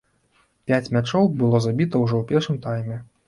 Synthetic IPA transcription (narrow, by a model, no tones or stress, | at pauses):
pʲat͡sʲmʲat͡ʂɔwbɨlˠɔzabʲit̪ɐwʐɔwpʲɛrʂɨmt̪ajmʲɛ